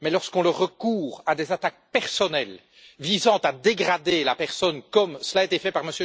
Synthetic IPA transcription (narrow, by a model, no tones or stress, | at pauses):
mɛlɔʁskɔ̃ləʁəkuːʁad̪ezat̪ak̚pɛʁsɔnɛl | vizɑ̃t̪ad̪eɡʁad̪elapɛʁsɔnkɔmsəlaet̪efɛpaʁməsjø